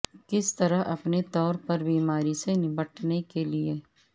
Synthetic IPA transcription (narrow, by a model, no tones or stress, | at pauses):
kɪst̪ɐɾəɦɐ̰pnet̪ɔːɾpɐɾbiːmaːɾisenɪbəʈnekelieː